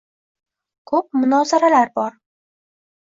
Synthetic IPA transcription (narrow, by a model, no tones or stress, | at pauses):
kʰɵp̚mʊnɒzaɾalaɾbɒɾ